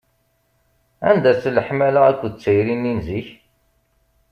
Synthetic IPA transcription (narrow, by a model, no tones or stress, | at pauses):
æ̰nd̪æsləħmælaækʷːd̪t͡sːəjɾinːinziç